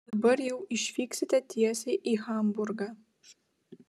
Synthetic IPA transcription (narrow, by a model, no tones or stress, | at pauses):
dɐbɐrjɛwiʃfiːksɪtʰɐtʰijɛseʔixaːmburɡɐ